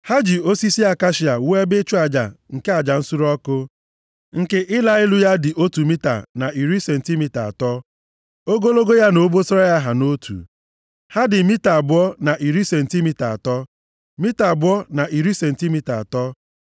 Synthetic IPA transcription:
ha˦d͡ʒi˨o˦si˦si˦a˨ka˦ʃi˨a˨we˦bɪ˦t͡ʃu˦a˨d͡ʒa̰˨ŋ̩˨ke˦a˨d͡ʒa˨n̩˦su˦ɾɔ˦kʊ˦ | ŋ̩˨ke˦ʔɪ˦la˦ɪ˦lʊ˦ja˦dɪ˨ʔo˦tu˨mi˦ta̰˨na˨ʔi˨ɾi˦se˨n̩˨ti˦mi˦ta˨a̰˨tɔ˦ | o˦ɡo˦lo˦ɡo˦ja˦no˨˦bo˦so˦a˦ja˦ɦa˨no˦tʰṵ˨ | ha˦dɪ˨mi˦ta˨bʊ˦ɔ˦na˨ʔi˨ɾi˦se˨n̩˨ti˦mi˦ta˨a̰˨tɔ˦ | mi˦ta˨bʊ˦ɔ˦na˨ʔi˨ɾi˦se˨n̩˨ti˦mi˦ta˨tɔ˦

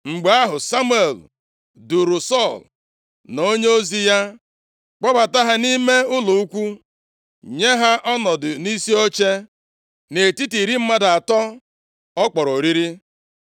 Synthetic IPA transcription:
ŋ͡m̩˨ɡ͡ba˦ɦʊ˨sa˦mu˦e˨l | du˨ɾʊ˨sɔ˦˨l | no˦ɲe˦o˦zi˦ja˦ | k͡pɔ˦ba˨ta˦ɦa˦ni˦me˦ʊ˦lʊ˨u˦kʷu˦ | ɲe˦ɦa˦ʔɔ˦nɔ˨dʊ˨ni˦si˦o˦t͡ʃe˦ | ne˨ti˦ti˨ɾi˦m̩˦ma˦da˨tɔ˦ | ɔ˦k͡pɔ˨ɾo˨ɾi˦ɾi˦

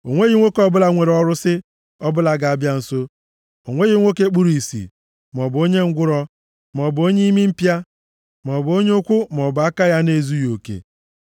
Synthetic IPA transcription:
o˨ŋʷe˦ɣi˦ŋʷo˦ke˨ɔ˦bʊ˦la˨ŋʷe˨ɾɔ˦ɾʊ˦sɪ˦ | ɔ˦bʊ˦la˨ɡa˨a˦bja˦n̩˨so˦ | o̰˨ŋʷe˦ɣi˨˦ŋʷo˦ke˦k͡pu˦ɾi˨sḭ˨ | m˨ɔ˨bo˦ɲe˦ŋ̩˦ɡʷʊ˦ɾɔ˦ | m˨ɔ˨bo˦ɲe˦i˦mi˦m̩˦pja˦ | m˨ɔ˨bo˦ɲ˦ʊ˦kʷʊ˦m˨ɔ˨bʊ˨a˦ka˦ja˦ne˦˨zu˦jo˨kḛ˨

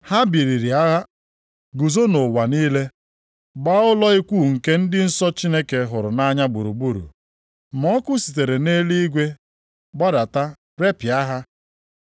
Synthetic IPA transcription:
ha˦bi˨ɾi˨ɾi˨a˦ɣa˦ | ɡu˨zo˦no˨wa˨niː˦le˦ | ɡ͡ba˦ʊ˦lɔ˦i˦kʷuː˦˨ŋ̩˨ke˦n̩˦dɪ˦n̩˦sɔ˦t͡ʃi˦ne˦ke˨ɦʊ˨ɾʊ˨na˦ɲa˦bu˨ɾu˨bu˦ɾṵ˨ | m̩˨ɔ˦kʊ˦si̥˨t̬e˨ɾe˨ne˦li˦i˦ɡʷe˦ | ɡ͡ba˦da˨ta˦ | ɾe˦pɪ˨a˦ɦa˦

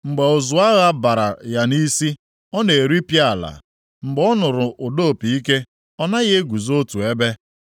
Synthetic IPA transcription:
ŋ͡m̩˨ɡ͡be˨o˨zʊ˨a˦ɣa˦ba˨ɾa̰˨ja˨ni˦si˦ | ɔ˦ne˨e˨ɾi˦pja˦˨la̰˨ | ŋ͡m̩˨ɡ͡bɔ˦nʊ˨ɾʊ˨ʊ˨do˦˨pi˨i˦ke˦ | ɔ˦na˦ɣe˦e˦ɡʷu˨zo˦tu˨e˦be˦

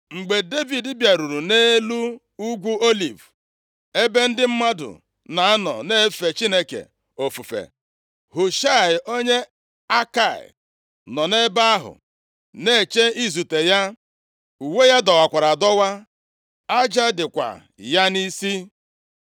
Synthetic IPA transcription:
ŋ͡m̩˨ɡ͡be˨de˦vi˨dɪ˦bja˨ɾu˨ɾu˨ne˦lu˦ | u˦ɡʷu˦o˦li˨v | e˦be˦n̩˦dɪ˦m̩˦ma˦dʊ̰˨ | na˨a˦nɔ̰˨ne˦fe˨t͡ʃi˦ne˦kḛ˨ | o˨fu˨fḛ˨ | hʊ˨ʃa˦˨ɪ˨ʔo˦ɲe˦ | a˦ka˨ɪ̰˨ | nɔ˨ne˦ba˦a˦ɦʊ̰˨ | ne˦˨t͡ʃe˦i˦zu˨te˨ja˦ | u˨we˦ja˦dɔ˨wa˨kʷa˨ɾa˨dɔ˦wa˦ | a˦d͡ʒa˦dɪ˨kʷa̰˨ | ja˦ni˦si˦

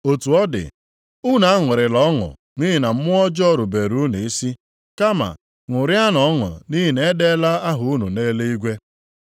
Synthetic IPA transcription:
o˨tu˨ɔ˦dɪ̰˨ | ʊ˦na˨a˦ŋʷɪ˨ɾɪ˨lɔ˦ŋʊ̰˨ | ni˦ɦi˨na˨m̩˦mʊ˦ɔ˦d͡ʒɔ˦ɾu˨be˨ɾu˦ne˨e˦si˦ | ka˦ma̰˨ | ŋʷʊ˨ɾja˦nɔ˨ɔ˦ŋʊ̰˨ni˦ɦi˨ne˦de˦la˦a˦ɦʊ˨u˦nu˨ne˦le˦i˦ɡʷe˦

